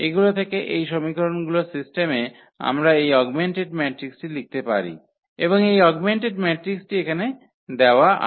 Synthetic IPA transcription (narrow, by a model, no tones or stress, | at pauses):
eɡulot̪ʰekeʔejʃomikɾonɡulosisʈeme | a̰mɾaejɔɡmeɳʈeɖmɛʈɾiksʈilik̚t̪epa̰ɾḭ | eboŋejɔɡmeɳʈeɖmɛʈɾiksʈiekʰane | d̪eoaʔa̰